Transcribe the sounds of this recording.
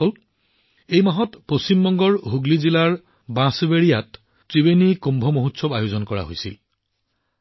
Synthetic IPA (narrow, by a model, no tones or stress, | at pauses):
ɔl | ejmaɦɔtpost͡ɕimbɔŋɡɔɹɦuɡlizilaɹ | bãsbeɹijat | tɹibenikumbʱɔmoɦutsɔbajozɔnkɔɹa̰ɦo̰jsil